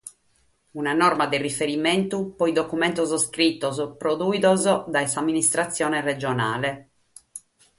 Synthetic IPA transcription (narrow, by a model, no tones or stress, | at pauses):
unanɔrmad̪elrifeɾiment̪upɔjd̪okument̪ozskɾit̪ːozpɾod̪uid̪ozd̪aesamːinist̪ɾat̪sːjɔːnered͡ʒona̰ːle